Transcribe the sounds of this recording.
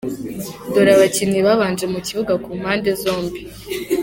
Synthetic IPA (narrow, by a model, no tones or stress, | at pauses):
do̞ɾaβaciniβaβaːnd͡ʒe̞muciβuɡakuːm̥haːnde̞zo̞ːmbi